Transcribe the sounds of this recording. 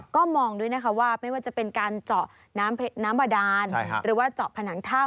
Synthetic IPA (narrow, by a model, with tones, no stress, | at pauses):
kɔː˥˩mɔː˧ŋdu˥˩˨jna˦˥kʰa˦˥waː˥˩ma˥˩jwaː˥˩t͡ɕa˨˩pe˧nkaː˧nt͡ɕɔ˨˩ʔ | naː˦˥mpʰe˦˧naː˦˥mba˧daː˧n˥˦ɾɯː˩˦waː˥˩t͡ɕɔ˨˩pʰa˧naː˩˦ŋt̪ʰaː˥˩